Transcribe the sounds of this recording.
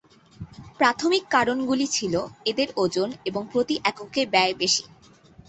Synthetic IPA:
pɾat̪ʰomikːaɾonɡulit͡ɕʰiloed̪eɾod͡ʑoneboŋpɾot̪iʔɛkokebɛebeʃi̥

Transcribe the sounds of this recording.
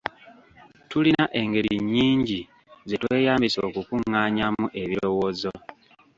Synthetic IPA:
tulinaʔe̞ŋɡe̞ɾiɲːiːɲɟi | ze̞twe̞ːjaːmbiso̞ːkukuŋːaːɲamuʔeβiɾo̞woːzo̞

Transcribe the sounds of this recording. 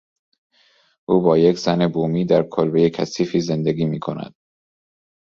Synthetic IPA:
ʔuːbɒːje̞kʰz̥ænebuːmiːd̪æɾkʰolbe̞jecʰæsiːfiːze̞nd̪eɡiːmiːkʰo̞næ̰d̪̥̚

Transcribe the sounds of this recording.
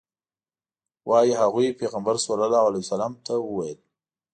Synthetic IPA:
wʔɑjiɦaɣujpeɣambaɾsalalɑalajusalɑmt̪ʰawəwajəl

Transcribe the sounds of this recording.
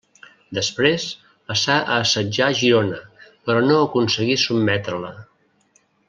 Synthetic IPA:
d̪əspɾes | pəsaʔəːsəd͡ʒaʒiɾonəpəɾɔnoəkunsəɣisubmɛt̪ɾələ

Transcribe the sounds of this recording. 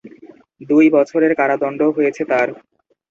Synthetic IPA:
d̪ujbɔt͡ɕʰoɾeɾkaɾad̪ɔɳɖoɦojet͡ɕʰet̪aɾ

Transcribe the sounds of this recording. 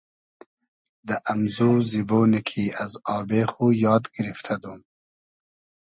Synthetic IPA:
d̪əʔamzuːziboːnikʰiazɑːbeːxujɑːd̪ɡɪɾift̪ʰad̪um

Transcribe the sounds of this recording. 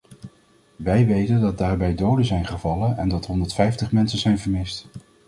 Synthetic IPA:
ʋɛjʋejtəndɑt̚daːɹbɛjdowdəzɛjnχəvɑlənɛndɑtɦɔndəɹtfɛjftəχmɛnsəzɛjnvəɹmɪst

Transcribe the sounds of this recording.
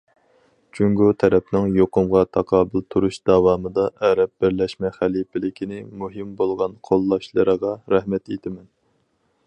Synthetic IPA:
t͡ʃʰyŋɡut̪ʰɛɾɛpnɪŋjoqʊmʁɑt̪ʰɑqʰɑːbɨlt̪ʰuɾuʃd̪̥ɑwɑːmɨd̪ɑʔɛɾɛp̚bɪɾlɛʃmɛχælipɪlɪkʲʰinɪmuɦɨmbolˠʁɑnqʰolˠːɑʃlˠɨɾəʁɑɾæhmɛt̪et̪ʰɪmɛn

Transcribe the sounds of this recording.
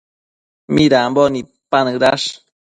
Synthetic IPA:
miɾaːmboni | panɨɾaʂ

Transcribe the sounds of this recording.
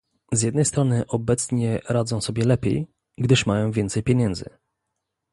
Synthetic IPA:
zjɛd̪nɛjst̪ɾɔnɘʔɔbɛt̪sɲɛɾad̪zɔ̃w̃sɔbʲjɛlɛpʲjḛj | ɡd̪ɘʂmajɔ̃w̃vʲjɛntsɛjpʲjeɲɛnd̪zɘ̰

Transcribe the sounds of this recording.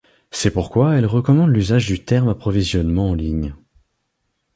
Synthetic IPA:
sɛpuʁkwaɛlʁəkɔmɑ̃d̪lyzaʒd̪yt̪ɛʁmapχɔvizjɔnmɑ̃ɑ̃liɲ

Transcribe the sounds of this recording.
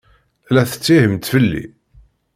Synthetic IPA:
læθə̥t͡sːihəmt̪fəlːḭ

